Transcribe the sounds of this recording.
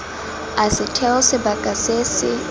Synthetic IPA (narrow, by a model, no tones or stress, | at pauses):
asɪtʰɛʊsɪbakʼasesɪ